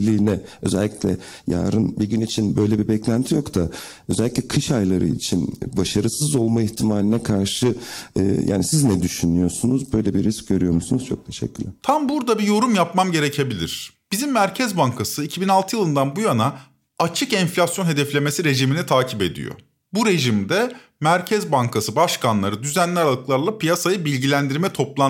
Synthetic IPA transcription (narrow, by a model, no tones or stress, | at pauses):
lʲiːnɛø̞zɛlʲːiclʲɛ̰ | ja̰ːɾɯnbiɟynit͡ʃʰinbøjlʲɛbibɛclʲænt̪ʰijo̞kt̪ʰa | øzɛlʲːiclʲɛkʰɯʃajlˠaɾɯ̰ḭt͡ʃʰinbaʃaɾɯsɯzo̞lˠmaiçt̪ʰimaːlʲinɛkʰaɾʃɯ̰ː | jʔa̰ːnisiznɛd̪yʃynyjo̞sunuzbø̞jlʲɛbiɾːisc̚ɟø̞ɾyjo̞ɾmusunuz̥t͡ʃʰo̞̰k̚t̪ʰeʃɛ̰cʰːyɾlʲɛt̪ʰambuɾd̪abijo̞ɾumjapmamɟe̞ɾecʰe̞bilʲḭɾ̥b̥izimːæɾcʰɛzbaŋkʰasɯicʰibinalˠt̪ʰɯjɯlˠɯnd̪anbujana | at͡ʃʰɯkɛnflʲasjonɦe̞d̪ɛflʲe̞mesiɾe̞ʒiminit̪ʰaːcʰipe̞d̪ḭjo̰ | buɾe̞ʒimd̪ɛ | mæɾcʰɛzbaŋkʰasɯbaʃkanlˠaɾɯd̪yzænlʲɛɾalˠɯklˠaɾlˠapijasajɯbilʲɟilʲænd̪iɾmɛt̪ʰo̞plˠa